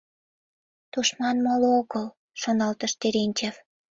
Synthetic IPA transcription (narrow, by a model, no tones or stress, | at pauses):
t̪uʃmɑnmolooɣəl | ʃonɑlt̪əʃt̪eɾenʲt͡ɕef